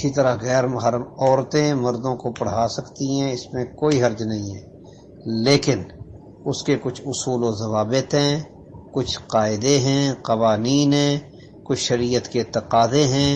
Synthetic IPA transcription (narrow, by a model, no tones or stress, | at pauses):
ɪit̪ɐɾaɣɛːɾmʊɦəɾəmɔːɾt̪ẽmɐɾd̪õkopɐɽ̤aːsɐkt̪iɦɛ̃ɪsmẽkoːiɦɐɾd͡ʒnɐɦĩɦɛː | leːkɪn | ʊskekʊt͡ʃʰʊsuːlozɐʋaːbɪt̪ɦɛ̃ː | kʊt͡ʃʰqaːɪd̪eɦɛ̃ːqɐʋaːniːnɦɛ̃ː | kʊt͡ʃʰʃɐɾijət̪keɪt̪ːɪqaːd̪ẽɦɛ̃ː